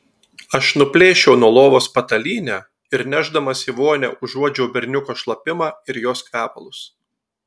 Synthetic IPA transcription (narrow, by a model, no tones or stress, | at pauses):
ɐʃnʊpʲlʲeːʃʲɛʊnuɔlˠoːʋoːspɐt̪ɐlʲiːnʲæː | ɪɾnʲæʒd̪ɐmɐsʲiʋoːnʲɛ̰ʊʒuɔd͡ʒʲɛʊbʲɛɾʲnʲʊkoːʃlˠɐpʲɪmɑːɪɾjoːskɾʲæːpɐlˠʊs